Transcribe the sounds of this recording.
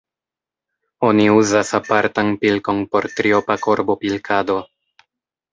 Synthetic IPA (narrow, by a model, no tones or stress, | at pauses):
o̞niuzasapaɾtanpilko̞npo̞ɾt̪ɾio̞pako̞ɾbo̞pilkʰado̞